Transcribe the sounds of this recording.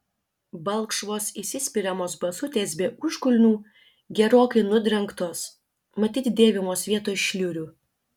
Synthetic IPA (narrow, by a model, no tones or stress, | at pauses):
bɐlˠkʃʋoːsisʲɪsʲpʲɪɾʲɛmoːsbɐsʊt̪ʲeːsbʲeːʊʃkʊlʲnʲuː | ɡʲɛɾoːkɐɪnʊd̪ʲɾʲɛŋkt̪oːs | mɐt̪ʲiːt̪ʲd̪ʲeːʋʲɪmoːsʋʲiɛt̪oːʃʲlʲuːɾʲuː